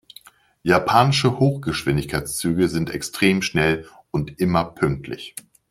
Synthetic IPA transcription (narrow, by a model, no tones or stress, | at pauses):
japʰaːnɪʃəhoːxɡ̥əʃv̥ɪndɪçkʰaɪt͡st͡syːɡəzɪntɛ̰kstʁ̥eːmʃnɛl | ʊntʔɪmɐpʰʏŋk̚tʰlɪ̰ç